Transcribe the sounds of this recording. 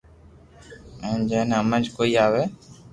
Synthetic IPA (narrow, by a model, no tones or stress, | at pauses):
ɛ̃d͡ʒɛ̃ːnɦəmə̃nd͡ʒkoːiːaːʋeː